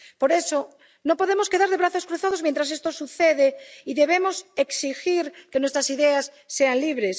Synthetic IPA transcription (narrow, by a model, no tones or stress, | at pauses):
poɾeso | nõpoðemoskeðaɾðeβɾaθoskɾuθaðozmjent̪ɾasest̪osuθeðeiðeβemoseksixiɾkenwest̪ɾasiðeasːeanliβɾes